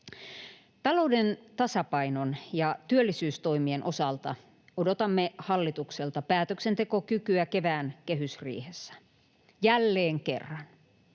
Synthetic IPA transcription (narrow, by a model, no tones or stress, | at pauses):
t̪ɑlo̞udent̪ɑsɑpɑinonjɑt̪yølːisyːst̪o̞imienʔo̞sɑlt̪ɑ̰ | odot̪ɑmːehɑlːit̪ukselt̪ɑpæːt̪øksent̪e̞ko̞kykyæke̞ʋæːnkeɦysrḭːhesːæ̥ | jælːeːŋkḛrːɑn